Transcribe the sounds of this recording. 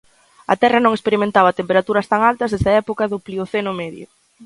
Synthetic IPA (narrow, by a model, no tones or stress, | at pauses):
ɐ̰t̪ɛrɐnõŋespeɾimẽnt̪aβɐt̪empeɾat̪uɾɐst̪aŋalt̪ɐzðezðɐɛpokɐðʊplioθenʊmɛðjʊ̰